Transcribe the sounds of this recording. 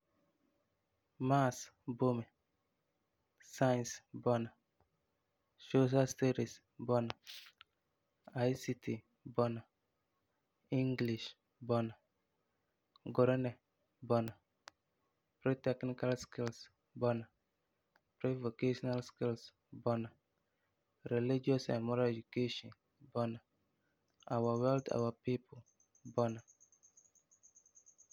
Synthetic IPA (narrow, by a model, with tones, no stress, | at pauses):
ma˦sbo˦mɛ˨ | sa˦jnsbɔ˦na˨ | ʃo˦s̬a˦ste˦ɾi˨s | bɔ˦na˨ | a˨jsi˦tʰi˨ | bɔ˦na˨ | i˦ŋɡli˨ʃ | bɔ˦na˨ | ɡɔ˨ɾɛ˦nɛ˨ | bɔ˦na˨ | pɾi˦tɛ˦knika˦lski˦ls | bɔ˦na˨ | pɾe˦vo˨keʃɔnalski˦ls | bɔ˦na˨ | ɾe˨li˦d͡ʒiɔ˦sɛ̰̃˨mɔ˦ɾed͡ʒu˨ke˦ʃɔ̃˨n | bɔ˦na˨ | a˨wa˨wɛ˦lta̰˨wa˨pi˦pʊl | bɔ˦na˨